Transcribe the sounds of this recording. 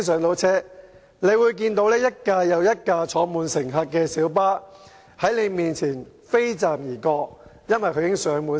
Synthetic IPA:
s̬œː˨˧ŋt̪o˨˧˥wt͡sʰɛː˥ | ne˨˧jwuː˨˧jk̬iː˧nt̪o˨˥wlɛː˥jɐ˥t̚kaː˧jɐ˨˧wjɐ˥t̚kaː˧t͡sʰɔː˨˥muː˨˧nsɪ˨˩ŋɦaː˧t̚kːɛː˧siː˨˥wp̬aː˥ | hɐ˨˥jne˨˧jmiː˨nt͡sʰiː˨˩n | fe˥jt͡saː˨mjiː˨˩kɔː˧k̚jɐ˥nwɐ˨jkʰɵ˧ɥjɪ˥ŋsœː˨˧ŋmuː˨˧n

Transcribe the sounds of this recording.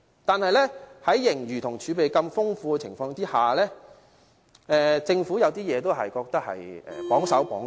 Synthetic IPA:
t̪aː˨nhɐ˨jlɛː˥hɐ˨˥jːɪ˨˩ŋjyː˨˩t̪ʰʊ˨˩ŋt͡ʃʰyː˨˧pe˨jkɐ˧mfʊ˥ŋfuː˧kɛ˧t͡sʰɪ˨˩ŋfɔː˧ŋt̪iː˥haː˨˩lɛː˥ | ɛː˧t͡sɪ˧ŋfuː˨˥jɐ˨˧wt̪̬iː˥jɛː˨˧t̪o˥wɦɐ̰˨jkɔː˧k̚t̪ɐ˥k̚hɐ̰˨jɛ̰ː˨pɔː˨˥ŋsɐ˨˥wpɔː˨˥ŋ

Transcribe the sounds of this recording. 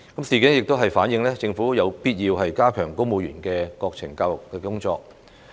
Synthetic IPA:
kɐ˨˥msiː˨˩ki˨˥ŋjɪ˨k̚t̪o˥wɦɐ˨jfaː˨˥njɪ˧ŋlɛː˥t͡sɪ˧ŋfu˨˥jɐ˨˧wpiː˥t̚jiː˧wɦɐ˨jkaː˥kʰœː˨˩ŋko˥wmo˨˧jyː˨˩nkɛː˧kɔː˧k̚t͡sʰɪ˨˩ŋkaː˧wjʊ˨˩kːɛː˧kʊ˥ŋt͡ʃɔ̰ː˧k̚

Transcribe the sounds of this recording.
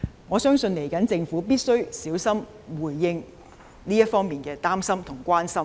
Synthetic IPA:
ŋɔː˨˧sœː˥ŋsɵ˧nle˨˩jkɐ˨˥nt͡sɪ˧ŋfuː˨˥piː˥t̚sɵ˥ɥsiː˨˥wsɐ˥m | wuː˨˩jːɪ˧ŋ | liː˥jɐ˥t̚fɔː˥ŋmiː˨nkɛː˧t̪aː˥msɐ˥mt̪ʰʊ˨˩ŋkʷaː˥nsɐ˥m

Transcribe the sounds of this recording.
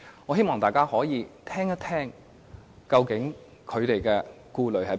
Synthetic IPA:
ɔː˨˧ɦe˥jmɔː˨˩t̪aː˨˩jkaː˥hɔː˨˥jiː˨˧t̪ʰɛː˥ŋjɐ˥t̪ʰɛː˥ŋ | kɐ˧wkɪ˨˥ŋ | kʰɵ˨˧ɥt̪e˨jkɛː˧ | kuː˧lɵ˨˥ɥhɐ˨˥j

